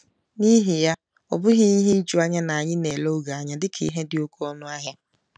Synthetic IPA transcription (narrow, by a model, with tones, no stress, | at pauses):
ni˦ɦi˨ja˦ | ɔ̰˨bʊ˦ɦi˦i˦ɦi˦i˦d͡ʒu˦a˦ɲa˦na˨a˨ɲɪ˦ne˨lo˦ɡa˨a˨ɲa˦dɪ˦kʰḭ˨˦ɦe˦dɪ˨o˦ko˦ɔ˦nʊ˦a˦ɦja˦